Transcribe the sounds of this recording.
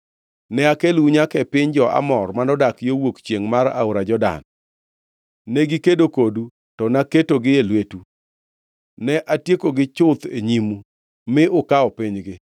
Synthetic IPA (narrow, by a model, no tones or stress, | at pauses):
nɛakeluɲakɛpɪɲd͡ʒɔa̰mɔrmanɔdakjowokt͡ʃjeŋmaɾa̰ʊɾad͡ʒɔda̰n | ɛɡɪkedokodu | tɔnaketoɡɪelwetu | nɛʔatjekoɡɪt͡ʃʊt̪eɲimu | mɪʊkaɔpɪɲɡɪ